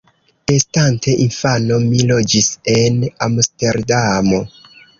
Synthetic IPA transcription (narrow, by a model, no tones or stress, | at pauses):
estantʰe̞ʔinfano̞milo̞d͡ʒise̞namste̞ɾdamo̞